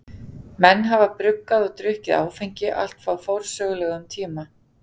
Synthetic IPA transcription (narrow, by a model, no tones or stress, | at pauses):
mɛnːɦavapɾʏkːaðɔɣt̪ɾʏhcɪða̰ːwfɛjɲcɪʔa̰l̥t̪faːwfowɾ̥sœːɣlɛɣʏmt̪ʰiːma